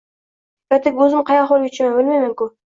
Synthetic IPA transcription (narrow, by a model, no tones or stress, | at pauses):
ɾat̪ɪkʲɵzɪmqʰɑjɑχolˠɡʲat͡ʃʰɪmambɪlmajmaŋkʊ